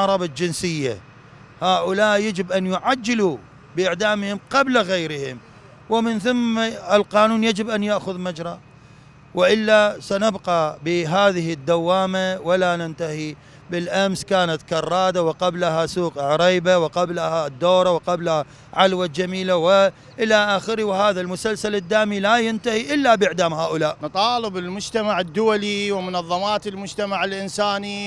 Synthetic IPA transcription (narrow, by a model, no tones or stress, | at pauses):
ɾˤɑbad͡ʒɪnsɪjːa̰ | haːʔʊlaːʔjad͡ʒɪbʔanjʊʕad͡ʒːɪlu | bɪʔɪʕd̪aːmhɪmqablaɣajɾɪhɪm | wɪmɪnθamːaɪlqɑːnuːnjad͡ʒɪbʔanjaʔxʊðmad͡ʒɾˤɑ | wɪʔɪlːasanabqɑbɪɦaːðɪhɪd̪ːawːaːmawalanɪnt̪ahi | bɪlʔamskaːnat̪kɑrˤːɑːd̪awɪqablaɦasuːqʕɾˤiːbawɪqablahad̪ːoːɾˤɑwqablha | ʕalwad͡ʒamiːlawɪ | ʔɪlaʔaːxɪɾiwɪhaːðalmʊsalsalɪd̪ːaːmilajɪnt̪ahiʔɪlːabʔɪʕd̪aːmhaːʔʊlaːʔnt̪ˤɑːlɪbɪlmʊd͡ʒt̪amaʕɪd̪ːʊwaliwɪmʊnɑðˤːɑmaːt̪ɪlmʊd͡ʒt̪amaʕɪlʔɪnsaːni